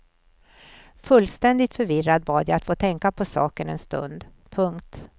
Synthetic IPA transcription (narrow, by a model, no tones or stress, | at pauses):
fɵlːst̪ɛnd̪ɪt̪fœɾvɪrːad̪̚bɑːd̪jajat̪foːt̪ʰɛŋkapʰɔsɑ̰ːkənɛ̰nst̪ɵ̰nd̪ | pʰɵŋkt̪